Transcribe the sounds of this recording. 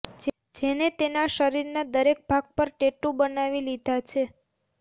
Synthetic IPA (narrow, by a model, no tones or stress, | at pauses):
d͡ʒenet̪enaʃəɾiɾnad̪əɾek̚bʱaɡ̚pəɾʈeʈubənaʋilid̪ʱat͡ʃʰe